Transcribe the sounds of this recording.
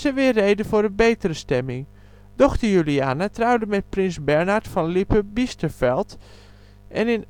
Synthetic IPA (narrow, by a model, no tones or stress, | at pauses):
səʋɪərːeːdəfʊːɾənbejtəɾəstɛmɪŋ | dɔxtəɹjyliaːnatrawdəmɛt̚prɪnsbɛɹnaɹtfɔnlipəbistəfɛlˠt | ʔɛ̰nɪn